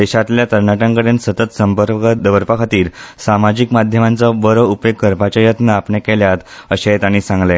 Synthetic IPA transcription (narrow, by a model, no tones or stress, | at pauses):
d̪eɕat̪ljat̪əɾɳaʈə̃ŋkəɽensət̪ət̪səmpəɾpkəd̪əʋəɾpakʰat̪iːɾsamad͡ʑikmad̪ʱjəmant͡sabəɾəupjokːəɾpat͡ɕajət̪naːpɳekeljat̪əɕet̪aɽ̃isãŋɡle